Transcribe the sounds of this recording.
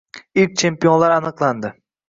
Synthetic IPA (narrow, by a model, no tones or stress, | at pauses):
ɪlk̚ʲt͡ʃʰe̞mpijonlaɾanɨqlˠand̪ɪ